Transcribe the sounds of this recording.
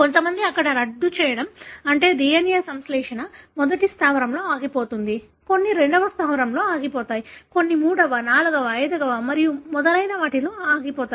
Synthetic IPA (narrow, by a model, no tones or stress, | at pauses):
ko̞nt̪ɐmɐnd̪iɐkːɐɽɐɾɐɖːut͡ʃɛːjɐɽɐmɐɳʈe̞ːd̪iːjɐnijɐsɐmslɛːʂɐnɐmɔd̪ɐʈist̪ʰaːʋɐɾɐmlo̞ːaːɡipoːt̪und̪i | ko̞nːiɾe̞ɳɖɐʋɐst̪ʰaːʋɐɾɐmlo̞ːaːɡipɔːt̪aːjiko̞nːimuːɽɐʋɐnaːluɡɐʋɐɐjd̪ɐɡɐʋɐmɐɾijumɔd̪ɐlɐjnɐʋaːʈiloːaːɡipɔːt̪a